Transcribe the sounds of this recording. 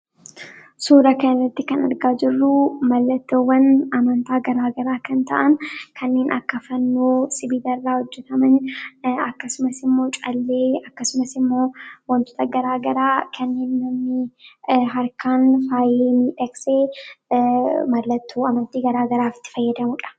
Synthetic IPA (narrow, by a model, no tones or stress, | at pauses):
suːɾɐkɐnːɐt̪ːɪkɐnɐ̰ɾɡaːd͡ʒɪrːʊmɐlːɐt̪ːoːwːɐnɐmɐnt̪aːɡɐɾaːɡɐɾaːkɐnt̪ɐ̰ʔɐnkʰɐnːe̞ːnʔɐkːɐfɐnːoːsɪbid̪ɐrːaːhɔd͡ʒːɛt̪ɐmɐnɐkːɐsʊmɐsɪmːo̞ːt͡ʃʼɐlːeːɐkːɐsʊmɐsɪmːo̞ːwɐnt̪ɔ̥t̪ɐɡɐɾaːɡɐɾaːkʰɐnːeːnːɐmːɪ | ɦɐɾkʰaːnfaːjeːmiːᶑɐɡse̞ː | mɐlːɐt̪ʰːoːɐmɐnt̪iːɡɐɾaːɡɐɾaːfɪ̥t̪ːɪ̥fɐjːɐd̪ɐmʊᶑɐ̥